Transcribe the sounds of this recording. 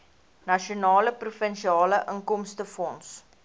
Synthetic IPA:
nɐʃionɑːləprufənʃiɑːləʔəŋkɔmstəfɔns

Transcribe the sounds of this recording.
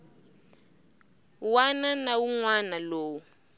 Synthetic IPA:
wananawuŋwanaloːwu

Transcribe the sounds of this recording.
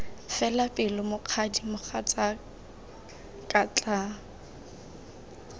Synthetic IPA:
fɛlapʼɪlʊmʊq͡χʰadimʊχat͡sʼa | kʼat͡ɬʼa

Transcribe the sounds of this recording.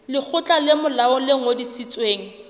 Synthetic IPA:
lɪk͡xʰʊt͡ɬʼalɪmʊlaʊleŋ̩odisit͡sʼweːŋ̩

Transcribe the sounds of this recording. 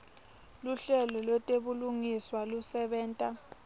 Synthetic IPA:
luɬɛlɔlwɛtʼeɓuluŋiswalusɛɓɛːntʼa

